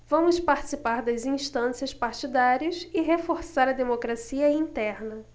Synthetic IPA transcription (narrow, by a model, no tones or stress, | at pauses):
vɐ̃mʊspaɾt͡ʃisipaɾd̪ɐzĩʃt̪ɐ̃siɐspaɾt͡ʃid̪aɾiɐsɪɦefoɾsaɾɐd̪emokɾasiɐĩnt̪ɛɾnɐ